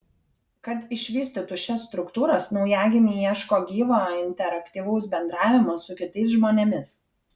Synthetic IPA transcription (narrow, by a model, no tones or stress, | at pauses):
kɐt̪ɪʃʲʋʲiːsʲt̪ʲɪt̪ʊʃʲɛsst̪ɾʊkt̪uːɾɐsnɒʊjæːɡʲɪmʲijiɛʃkoːɡʲiːʋɑɪnʲt̪ʲɛɾɐkʲt̪ʲiːʋɐʊsbʲɛnd̪ɾɑːʋʲɪmɐsʊkʲɪt̪ɐɪsʒmoːnʲɛmʲɪs